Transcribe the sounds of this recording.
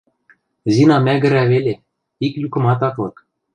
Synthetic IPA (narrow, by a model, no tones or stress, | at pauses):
zinɑmæɡɘ̆ɾæβelʲe | iklʲukɤ̆mɑt̪ɑt̪lɤ̆k